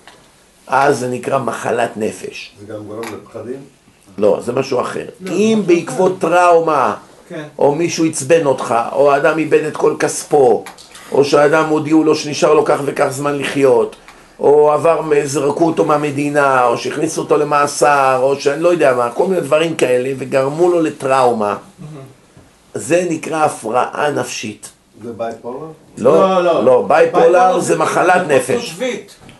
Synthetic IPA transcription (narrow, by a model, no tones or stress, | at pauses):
ʔazːenikʁamaχa̰latne̞fe̞̰ʃ | lo̞̰zemaʃua̰χḛʁimbeikvo̞t̪ːʁawma | ʔo̞̰miʃuit͡sbe̞no̞t̪χa̰ʔoaːd̪amibe̞d̪et̪ko̞lkaspo̞o̰ʃead̪amod̪iulo̞ʃeniʃaʁlo̞kaχve̞kaχzmanliχjo̞t̪ | ʔo̞avaʁmezʁakut̪o̞meame̞d̪inao̞ʃeiχnisuot̪o̞le̞maːsaʁo̞ʃeanilo̞jod̪ejamakolmined̪vaʁimkae̞le̞veɡaʁmulo̞le̞t̪ʁawma̰ | ze̞nikʁaːfʁa̰ʔa̰nafʃit̪ | lolo̞bajpolaʁzemaχalat̪ne̞feʃv